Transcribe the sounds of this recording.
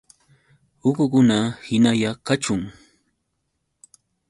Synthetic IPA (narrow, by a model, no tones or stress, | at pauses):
ʊkʊkʊnahɪnajakat͡ʃʊŋ